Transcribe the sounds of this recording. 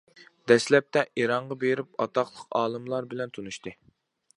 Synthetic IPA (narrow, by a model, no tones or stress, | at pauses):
d̪̥ɛslɛp̚t̪ʰɛʔeɾɑɴʁɑbeɾɪp̚ɑt̪ɑqlˠəqɑːlˠɨmlˠɑɾbɪlɛnt̪ʰunuʃt̪ɨ